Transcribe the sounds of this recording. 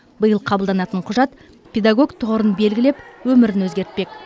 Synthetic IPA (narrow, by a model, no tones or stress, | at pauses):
bəjəlˠqʰɑbəlˠd̪ɑnɑt̪əɴqʰʊʒɑt̪ | pʰʲe̞d̪aɡo̞ɡt̪ʰʊʁəɾənbe̞lɡʲɪlepwɵmɪɾɪnwɵzɡʲe̞ɾt̪̚pe̞k